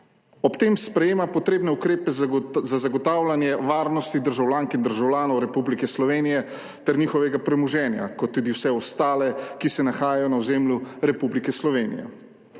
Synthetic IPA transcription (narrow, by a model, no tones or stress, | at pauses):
ɔpt̪eːmspɾɛjeːmapɔt̪ɾeːbnɛukɾeːpɛzzazaɡɔt̪aːwlʲanjɛʋaːɾnɔst̪id̪əɾʒawlʲjaːŋkind̪əɾʒawlʲjaːnɔwɾɛpublikɛslɔʋeːnijɛ | t̪ɛɾɲiːxɔʋɛɡapɾɛmuʒɛːnja̰kɔt̪ːuːd̪iwsɛɔst̪aːlɛkisɛnaxaːjajɔnawzeːmljuɾɛpublikɛslɔʋeːnḭjɛ̰